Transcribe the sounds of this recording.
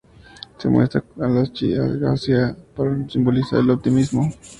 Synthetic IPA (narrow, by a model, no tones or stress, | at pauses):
sḛmwḛst̪akalast͡ʃḭaɣa̰siapaɾsimbolisa̰ɾelop̚t̪imismo